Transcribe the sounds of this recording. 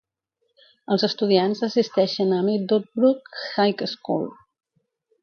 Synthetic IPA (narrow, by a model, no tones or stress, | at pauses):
əlˠzəst̪uð̞ianzəsist̪ɛʃənəmid̪ot̪̚bɾukxajkəskṵlˠ